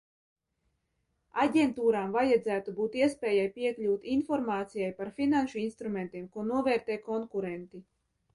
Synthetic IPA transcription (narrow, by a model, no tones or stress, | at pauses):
aɟʲent̪uːɾaːmvajad̪zæːt̪ubuːt̪iɛspʲɛːjajpiɛklʲuːt̪infɔɾmaːt̪sijajpaɾfinanʃuinst̪ɾument̪iɛmkuɔnuɔvɛːɾt̪ɛːkɔŋkuɾɛnt̪i